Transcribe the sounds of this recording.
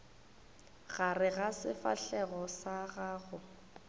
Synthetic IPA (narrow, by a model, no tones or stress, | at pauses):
ɣarɪɣasɪfa̰ɬɛɣɔsaɣaːɣʊ